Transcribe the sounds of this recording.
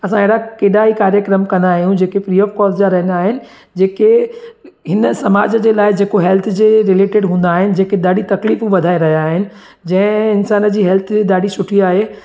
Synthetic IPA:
ɐsãeɦɽakeːɗaɦikaːɾjəkɾəmkɐ̃nd̪aːɦijũd͡ʑeːkepɾiːɔːfkɔːlzd͡ʑaɾɐɦə̃nd̪aːɦɪnɪ̆ | d͡ʑeːke | ɦɪnsɐmaːd͡ʑəd͡ʑeːlaːɪd͡ʑeːkoɦɛlt̪ʰd͡ʑeːɾɪleːʈɪɖɦũːnd̪aːɦɪnɪ̆d͡ʑeːked̪aːɽit̪ɐkliːfũʋɐd̪ʱaːeɾɐɦijaːɦɪnɪ̆ | d͡ʑɐ̃ɦɪ̃ɪnsaːnəd͡ʑiːɦɛlt̪ʰed̪aːɖisʊʈʰiaːɦeː

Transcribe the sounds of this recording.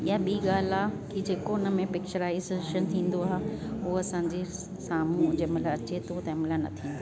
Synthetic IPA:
jaɓiːɠaːl̤aːkid͡ʑeːkoɪnəmẽpɪk̚t͡ɕəɾaːizʃənt̪ʰĩːn̆d̪oaːɦeʊɐsãːɲd͡ʑe | saːmũʊ̃d͡ʑemɪlaɐt͡ɕet̪ʰot̪ɐɦɐmɪlanɐ̰t̪ʰĩːnd̪a

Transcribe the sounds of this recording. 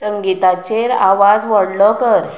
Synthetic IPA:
əŋɡit̪at͡ɕeɾaʋad͡zʋəɽləkəɾ

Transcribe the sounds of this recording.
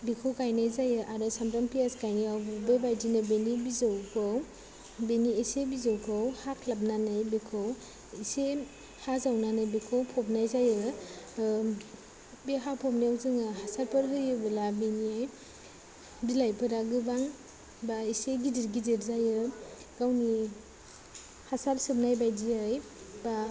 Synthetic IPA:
bikʰowkajnajzajɯʔaɾɯsamɾaŋpijaskajniawbbebajdinɯbenibizawkʰɯw | beniesebizawkʰɯwhakʰlap̚nanɯjbikʰow | ise | hazawnanɯjbikʰowpʰɔp̚najzajɯ | beɦapʰɔp̚niawzɯŋɯɦasaɾpʰɯɾɦɯjɯbɯlabeniaj | bilajpʰɯɾaɡɯbaŋ | baiseɡidiɾɡidiɾzajɯ | ɡ̥awni | hasaɾsɯp̚najbajdiaj | ba

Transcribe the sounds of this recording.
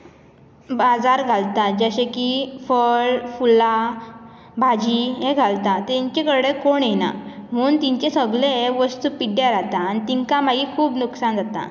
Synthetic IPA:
bad͡zaɾɡʱalt̪ad͡ʑaɕekifəɭfula | bʱad͡ʑiɦẽɡʱalt̪at̪eɲt͡ɕekəɽekoɳena̰m̤əuːnt̪iɲt͡ɕesəɡɭeʋəst̪upiɖjaɾat̪aːnit̪iŋkamaɡiːkʰuːbnuksand͡zʱat̪a̰

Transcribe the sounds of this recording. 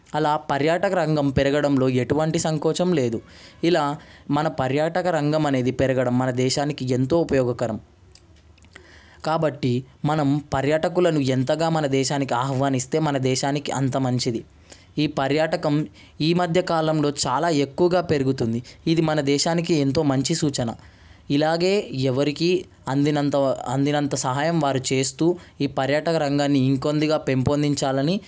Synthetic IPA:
ɐlaːpɐɾjaːʈɐkɐɾɐŋɡɐmpɛɾɐɡɐɽɐmlo̞ːe̞ʈuʋɐɳʈisɐŋkɔːt͡ʃɐmle̞ːd̪u | ilaːmɐnɐpɐɾjaːʈɐkɐɾɐŋɡɐmɐne̞ːd̪ipɛɾɐɡɐɽɐmːɐnɐd̪ɛːʃaːnikie̞nt̪o̞ːupɐjɔːɡɐkɐɾɐm | kaːbɐʈːimɐnɐmpɐɾjaːʈɐkulɐnuent̪ɐɡaːmɐnɐd̪ɛːʃaːnikiaːhʋaːnist̪e̞ːmɐnɐd̪ɛːʃaːnikiʔɐ̰nt̪ɐmɐɲt͡ʃid̪i | iːpɐɾjaːʈɐkɐm | iːmɐd̪ʱjɐkaːlɐmlo̞ːt͡ʃaːlaːe̞kːuʋɐɡaːpe̞ɾuɡut̪und̪iid̪imɐnɐd̪ɛːʃaːnik̬ie̞nt̪o̞ːmɐɲt͡ʃisuːt͡ʃɐnɐ̰ | ilaːɡe̞ːɛʋɐɾiki | ɐnd̪inɐɐnd̪inɐnt̪ɐsɐɦaːjɐmʋaːɾut͡ʃe̞ːst̪uːiːpɐɾjaːʈɐkɐɾɐŋɡaːnːiːŋko̞nd̪iɡaːpe̞mpond̪iɲt͡ʃaːlɐni

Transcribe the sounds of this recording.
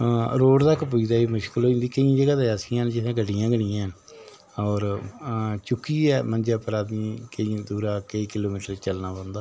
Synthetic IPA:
ɾoːɽt̪akːp̬ʊid̪aːiːmʊʃkəlɦoːd͡ʒĩnd̪iːkəĩːd͡ʒəɡaːd̪aasɪjãːnd͡ʒɪsãːɡəɖijãːɡəɽɪjãːn | ɔːɾ | t͡ʃʊkːiːɛːmənd͡ʒaːpəɾaːd̪ĩːkəĩd̪uːɾaːkeikɪloːmiːʈəɾt͡ʃəlnaːpãːnd̪aː

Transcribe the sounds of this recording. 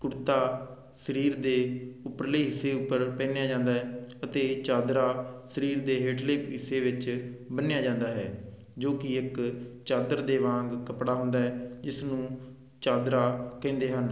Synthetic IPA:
kʊɾt̪aː | səɾiːɾd̪eːʊpːəɾleːɦɪsːeːʊpːəɾpɛ̃ːnejaːd͡ʒãːnd̪aːɦɛːət̪eːt͡ʃaːd̪ɾaːsəɾiːɾd̪eːɦeːʈleːpɦɪsːeːʋɪt͡ʃbənejaːd͡ʒãːnd̪aːɦɛ̰ː | d͡ʒoːkɪɪkt͡ʃaːd̪əɾd̪eːʋãːŋɡkəpɽaːɦʊnd̪aːɦɛːd͡ʒɪsnũː | t͡ʃaːd̪ɾaːkɛ̃ːnd̪eːɦən

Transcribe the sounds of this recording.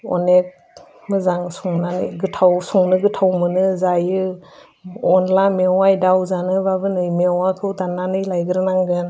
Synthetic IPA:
ɔ̰nek̚ | mɯzaŋsuŋnanɯjɡɯtʰawsuŋnɯɡɯtʰawmɯnɯzajɯ | ɔnlamewajdawzanɯbabɯnɯjmewakʰɯwdanːanɯjlajɡɯɾɯnaŋɡɯn

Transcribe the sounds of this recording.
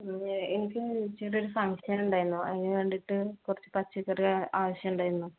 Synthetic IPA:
enikʲːɨt͡ɕiːro̞ɾufɐŋʂɐnuɳɖaːjiɾunːuɐ̰ðineʋe̞ːɳɖiʈːɨkurɐt͡ɕːɨ̥pɐt͡ɕːikːɐraːʋɐɕjɐmuɳɖaːjɾunːu

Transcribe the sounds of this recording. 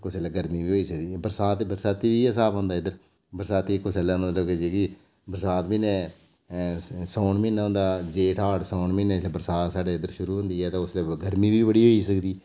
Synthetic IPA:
kʊsɛlaːɡəɾmiːʋiːɦoːiːsəkd̪iːbəɾsaːt̪ːbəɾsaːt̪iːʋiːəs̬aːbɦõːnd̪aːɪd̪əɾ | bəɾsaːt̪iːkʊsɛːlaːmət̪ləbked͡ʒeːkiː | bəɾsaːt̪biːnɛ̃ː | soːɳmɪnɦõːnd̪aːd͡ʒeːʈʰaːʈsɔːɳmɪneslebəɾsaːt̪saːɖeːɪd̪əɾʃʊɾuːɦʊ̃nd̪iːɛːt̪ãːʊsleːɡəɾmiːbiːbəɽiːɦoːiːsəkd̪iː

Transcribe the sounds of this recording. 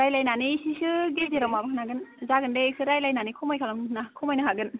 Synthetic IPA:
ɾajlajnanisisɯɡelzeɾamabkɯnaɡɯnzaɡɯndesʰɯɾajlajnanikʰumajkʰalaŋnakʰumajnɯɦaɡɯn

